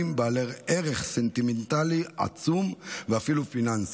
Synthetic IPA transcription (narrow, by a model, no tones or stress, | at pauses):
imbealeʁeʁeχsent̪iment̪aliʔa̰t͡sumveafilufinans